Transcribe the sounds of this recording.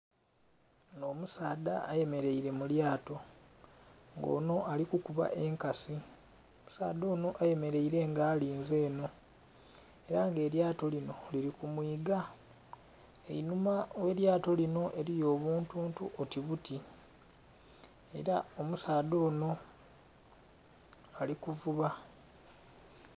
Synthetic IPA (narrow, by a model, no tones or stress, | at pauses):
no̞ːmusaːdaːje̞me̞ɾe̞iɾe̞muljaːto̞ | ŋɡo̞̰ːno̞ʔalikukuβa̰ʔe̞ŋkasi | omu̥sa̰ːd̪o̞ːno̞ʔaje̞me̞ɾe̞iɾe̞ŋɡaːliːnze̞ːno̞ | e̞ɾaŋɡe̞ːɾjaːto̞lino̞liɾikumwiːɡa | ḛinumawe̞ɾjaːto̞lino̞ʔe̞ɾijo̞ːβuːntuːntuʔotiβuti | e̞̰ɾaomusaːd̪o̞ːno̞ | alikuvuβa